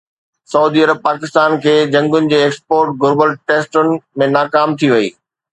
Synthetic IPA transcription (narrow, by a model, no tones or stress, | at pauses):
sɐuːd̪iɐɾəb̚paːkɪst̪aːnkʰeːd͡ʑɐ̃ŋɡʊnɪ̆d͡ʑeːeːkspoːɾʈ̚ɡʊɾbəlʈeːsʈʊnɪ̆mẽnaːkaːmt̪ʰiʋɐḭː